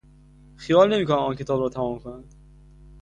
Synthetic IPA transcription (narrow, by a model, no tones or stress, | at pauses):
xijɒːlne̞miːkʰonæmɒːncʰe̞t̪ɒːbɾɒːt̪ʰæmɒːmkʰonænd̪̥